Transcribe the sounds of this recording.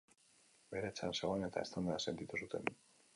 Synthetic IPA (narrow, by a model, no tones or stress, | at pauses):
be̞ɾet͡sa̰nse̞ɣ̞o̞ane̞t̪a̰e̞st̪and̪aase̞nt̪it̪usut̪e̞n